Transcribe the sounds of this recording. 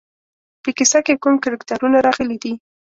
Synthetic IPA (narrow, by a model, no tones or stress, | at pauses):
pəkɪsakekumkɪɾɪkt̪aɾunaɾɑɣəlid̪i